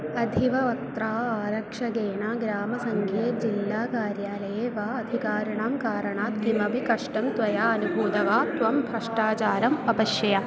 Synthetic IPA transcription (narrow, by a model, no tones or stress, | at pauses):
ɐd̪ʱiʋɐʋɐkt̪ɾaːaːɾɐkʂɐɡeːɳaːɡɾaːmɐsɐŋkʰeːt̪d͡ʒilːaːkaːɾjaːlɐjeːʋaːɐd̪ʱikaːɾɐɳaːmkaːɾɐɳaːt̪̚kimɐbikɐʂʈɐmt̪ʋɐjaːɐnubʱuːd̪ɐʋaːt̪ʋɐmbʱɐʂʈaːt͡ʃaːɾɐmɐbɐʃjɐja